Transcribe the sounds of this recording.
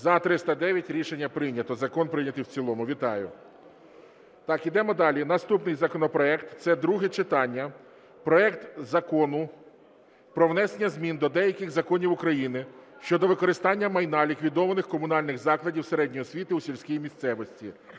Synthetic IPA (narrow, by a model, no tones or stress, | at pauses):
zɐt̪ɾɪst̪ɐd̪ɛʋʲjɐtʲɾʲiʃenʲːɐpɾɪnʲɐt̪ɔzɐkɔnpɾɪnʲɐt̪ɪwt͡sʲilˠɔmʊʋʲit̪ɑjʊ̰ | t̪ɑkid̪ɛmɔd̪ɑlʲinɐst̪upnɪjzɐkɔnɔpɾɔɛkt̪t̪sɛd̪ɾuɦɛt͡ʃɪt̪ɑnʲːɐ | pɾɔɛkt̪zɐkɔnʊ | pɾɔʋnɛsenʲːɐzʲmʲind̪ɔd̪ɛjɐkɪɣzɐkɔnʲiwʊkɾɐjinɪʃt͡ʃɔd̪ɔʋɪkɔɾɪst̪ɑnʲːɐmɐjnɑlʲikʋʲid̪ɔʋɐnɪxkɔmʊnɑlʲnɪɣzɑklˠɐdʲiwseɾɛdʲnʲɔjɔsʲʋʲit̪ɪusʲilʲsʲkʲijimʲist̪sɛʋɔsʲtʲḭ